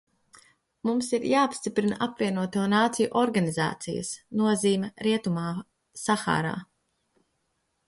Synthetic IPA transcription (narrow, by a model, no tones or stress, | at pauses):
mumsiɾjaːapst̪ipɾinaʔapvʲiɛnuɔt̪uːnaːt̪sijuʔɔɾɡaniza̰ːt̪sijɐ̰snuɔziːmʲɛɾiɛt̪umaː | saxa̰ːɾa̰ː